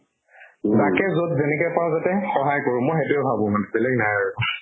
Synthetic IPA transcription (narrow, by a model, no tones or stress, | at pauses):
takɛzotzenɛkɔjpãzatɛxɔɦajkoɹʊ̃mojxetʊɛbʱabʊ̃manɛbɛlɛɡ̚najɹaɹɔ